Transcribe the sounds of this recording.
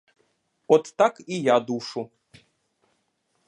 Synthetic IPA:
ɔt̪ːakijad̪uʂu

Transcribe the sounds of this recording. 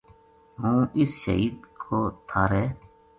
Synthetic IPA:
ɦũːɪsʃə̰ɦiːd̪kʰoːt̪ʰaːɾɛː

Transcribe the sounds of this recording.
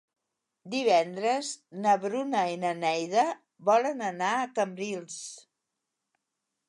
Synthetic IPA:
d̪iβ̞ɛnd̪ɾəznəβɾunəinənɛjðə | βɔlənənaəkəmbɾilˠs

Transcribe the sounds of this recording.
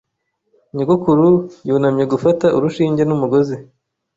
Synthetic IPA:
ɲuɡukuɾujuːnamje̞ɡufataʔuɾuʃiːɲɟenumuɡo̞zi

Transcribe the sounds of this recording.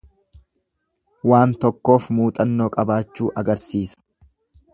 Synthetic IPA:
waːnt̪ɔkːo̞ːfmuːt̪ʼɐnːoːkʼɐbaːt͡ʃːuːʔɐɡɐɾsiːsɐ̥

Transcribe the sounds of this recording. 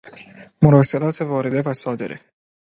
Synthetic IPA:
moɾɒːselɒːt̪ʰevɒːɾe̞d̪e̞væsɒːd̪e̞̰ɾʔḛ

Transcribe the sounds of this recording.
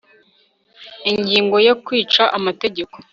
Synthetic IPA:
iɲɟiːŋɡo̞jokwiːt͡ʃaʔamate̞ɟe̞ko̞̥

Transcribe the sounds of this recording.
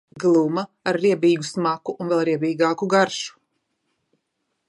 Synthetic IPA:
ɡlˠumɐaɾːiɛbiːɡusmakuʔunvɛlˠɾiɛbiːɡaːkuɡaɾʃu̥

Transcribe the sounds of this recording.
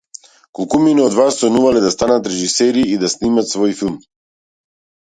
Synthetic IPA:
kɔlˠkuminɛɔd̪vasːɔnuvalɛd̪ast̪anat̪ɾɛʒisɛɾiːd̪asnimat̪svɔjfilˠm

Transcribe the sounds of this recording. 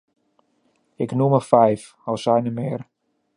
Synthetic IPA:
ɪknuməfɛjf | ɔlˠsɛjnəmɪːr

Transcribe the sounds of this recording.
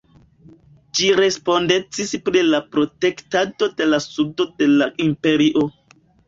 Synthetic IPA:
d͡ʒiɾe̞spo̞nde̞t͡sispɾilapɾo̞te̞ktato̞de̞lasudo̞de̞laimpe̞ɾiʔo̞

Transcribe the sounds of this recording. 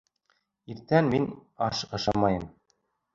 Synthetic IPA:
iɾt̪ænminɑʃɤ̆ʃɑmɑjɤ̆m

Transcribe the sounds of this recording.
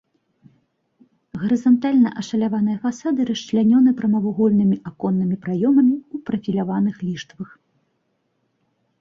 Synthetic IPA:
ɣɐɾɨzant̪alʲnɐʔɐʂɐlʲavan̪ɨjɐfasad̪ɨɾɐʃt͡ʂlʲanʲɔnɨpɾɐmɐvuɣɔlʲnɨmʲiʔakɔnːɨmʲipɾajɔmɐmʲiupɾɐfʲilʲavanɨxlʲiʂt̪vɐx

